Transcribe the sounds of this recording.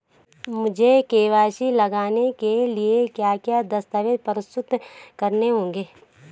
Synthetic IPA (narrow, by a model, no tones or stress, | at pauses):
mʊd͡ʒʱekeːʋaːʃilɐɡaːnekeliekjaːkjad̪ɐst̪əʋeːd̪pəɾɪst̪ʊt̪kɐɾneɦõːŋɡeː